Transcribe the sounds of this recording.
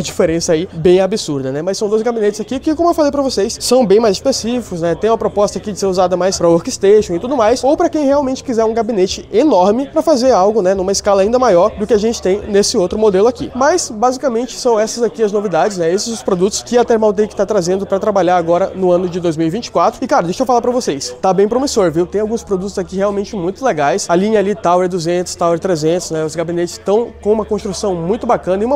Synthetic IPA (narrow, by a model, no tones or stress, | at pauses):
ɐd͡ʒifeɾẽsɐaibẽj̃abɪsuɾd̪ɐnɛmɐsɐ̃w̃d̪ojzɡabinet͡ʃɪz̥akikɪkõmʊewfalejpɾɐvosejssɐ̃w̃bẽj̃majzɪspesifikʊznɛt̪ẽj̃ũmɐpɾopɔst̪ɐakid͡ʒɪseɾuzad̪ɐmajspɾɐoɾkɪst̪eʃõw̃ɪt̪ud̪ʊmajsowpɾɐkẽj̃heawmẽt͡ʃɪ̥kizɛɾũɡabinet͡ʃɪenɔɾmɪpɾɐfazeɾawɡʊnɛnũmɐɪskalɐaĩnd̪ɐmajɔɾd̪ʊkɪaʒẽnt͡ʃɪ̥t̪ẽj̃nesɪowt̪ɾʊmod̪elʊakḭmɐsbazikamẽnt͡ʃɪ̥sɐ̃w̃ɛsɐzakiɐznovid̪ad͡ʒɪznɛesɪzʊspɾod̪ut̪ʊ̥skɪat̪ɛɾmawt̪ẽjkɪ̥t̪at̪ɾazẽnd̪ʊpɾɐt̪ɾabaʎaɾaɡɔɾɐnʊɐ̃nʊd͡ʒɪd̪ojzmiwivĩt͡ʃɪ̥kwat̪ɾʊɪkaɾɐd̪eʃewfalaɾpɾɐvosejst̪abẽj̃pɾomisoɾviwt̪ẽj̃awɡũspɾod̪ut̪ʊzakiheawmẽnt͡ʃɪmũj̃t̪ʊleɡajsɐlĩɲɐalit̪awɛɾd̪uzẽnt̪ʊ̥st̪awɛɾt̪ɾezẽnt̪ʊ̥znɛʊzɡabinet͡ʃɪ̥st̪ɐ̃w̃kõũmɐkõst̪ɾusɐ̃w̃mũj̃t̪ʊbakɐ̃nɐɪiũmɐ